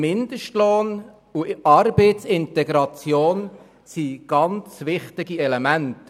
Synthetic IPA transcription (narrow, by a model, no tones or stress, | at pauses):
mɪnd̪əʃtloːn | uɑɾbeɪtsɪntɛɡɾɑt͡sjoːn | siɡ̥ɑnt͡sʋɪχtɪɡiɛlɛmænt